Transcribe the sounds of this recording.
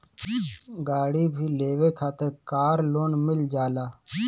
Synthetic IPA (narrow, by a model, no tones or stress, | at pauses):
ɡaːɽiːbʱiːleːʋeːkʰaːt̪əɾkaːɾloːnmɪld͡ʒaːlaː